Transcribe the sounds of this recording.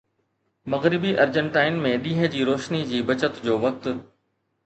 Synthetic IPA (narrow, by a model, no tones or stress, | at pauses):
mɐɣɾɪbiʔɐɾd͡ʑə̃ɳʈaːɪnmẽɗiːɦə̆d͡ʑiːɾoːʃnid͡ʑiːbɐt͡ɕət̪d͡ʑoːʋɐk̚t̪ʊ